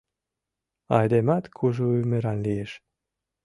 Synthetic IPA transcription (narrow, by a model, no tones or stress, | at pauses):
ɑjd̪emɑt̪kʰuʒoymeɾɑnlieʃ